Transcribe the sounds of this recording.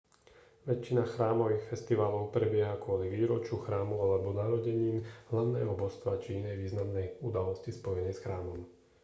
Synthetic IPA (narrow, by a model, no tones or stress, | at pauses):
ʋɛt͡ʃːinaxɾaːmɔʋiːxfɛst̪iʋaːlɔʊpɾɛbɪɛɦakʊɔliʋiːɾɔt͡ʃuxɾaːmualɛbɔnaːɾɔɟɛɲiːmɦlaʊnɛːɦɔbɔst̪ʋat͡ʃiinɛjʋiːznamnɛjud̪alɔscispɔjɛnɛjsxɾaːmɔm